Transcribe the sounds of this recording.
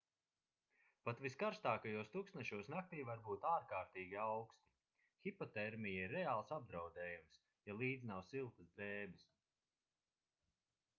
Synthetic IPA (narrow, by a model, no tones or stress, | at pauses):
pat̪viskaɾst̪aːkajuɔst̪uksnɛʃuɔsnak̚t̪iːvaɾbuːt̪aːɾkaːɾt̪iːɡʲiawkst̪i̥ | xʲipɔt̪ɛɾmijaiɾːɛaːlˠsab̚d̪ɾawd̪ɛːjums | jalˠiːd̪znawsilˠt̪əsd̪ɾɛːbis